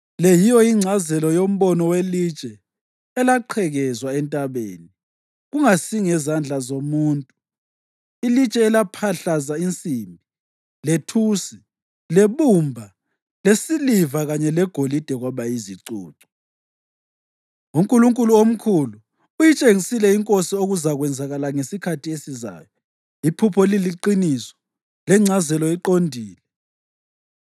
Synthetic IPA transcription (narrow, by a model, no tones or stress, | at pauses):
lejijɔiŋ͡ǀʱazɛlɔjom̩βɔnɔwelit͡ʃʼɛ | ɛlaǃʰɛɣɛzwaɛntʼaβḛːni | ɣuŋasiŋɛzand͡ɮʱazomuːntʼu | ilit͡ʃʼɛːlapʰaɬazaint͡sʼimbʱi | letʰuːsi | leβumbʱa | lesilivaɣaɲɛlɛɡ̥ʱolid̥ʱɛɣwaβaiziǀṵːǀɔ̥ | ŋumkʼuluŋkʼuluom̩kʰulu | ujit͡ʃʼeŋisilɛiŋkʼosioɣuzaɣwɛnd͡zʱaɣalaŋesikʰatʰiesiza̰ːjɔ | ipʰupʰɔliliǃinisɔ̥ | lɛŋ͡ǀʱazɛlɔiǃondʱiːlɛ